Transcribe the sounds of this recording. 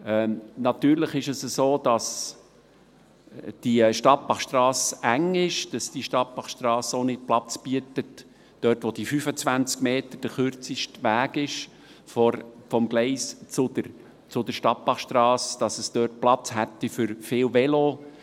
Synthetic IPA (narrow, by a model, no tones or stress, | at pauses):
ɛnɑt̪yːɾləχɪʃəsəsoːd̥ɑs | d̥iʃtɑt̚b̥ɑχʃtrɑːsæŋɪʃd̥ɑsd̥iʃtɑt̚pɑχʃt̪rɑːsonɪt̚plɑt͡sb̥yətət | d̥œːtʋod̥ifyfət͡svænt͡skmeːtəd̥əχʏɾt͡sɪʃtʋæːɡ̥ɪʃ | fɔfɔmɡlɛɪst͡sʊdəɾ | t͡sʊdəɾʃtɑt̚b̥ɑχʃtrɑːsd̥ɑsəsd̥œːɾt̚plɑt͡shæt̪ːifʏɾfɪːlvɛlo